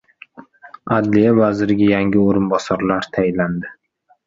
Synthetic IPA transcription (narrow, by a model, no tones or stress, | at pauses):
ad̪lijavazɪɾɪɡʲajaŋʲɪoɾɪnbɒsaɾlaɾt̪ʰajɪnlːand̪ɪ